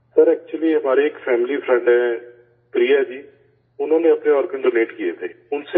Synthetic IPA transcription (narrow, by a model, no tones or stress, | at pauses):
səɾɛːk̚t͡ʃuəliːɦəmaːɾeːɪkpʰɛːmɪliːpʰɾɛ̃ɳɖɛː | pɾiːɛːd͡ʒiː | ʊnãːnẽːəpneːɔːɾɡənɖoːleːʈkieːt̪eːʊnse